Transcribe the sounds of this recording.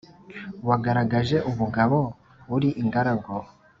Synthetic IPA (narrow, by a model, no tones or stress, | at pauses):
waɡaɾaɡaʒe̞ʔuβuɡaβo̞ | βuɾiʔiŋɡaɾaɡo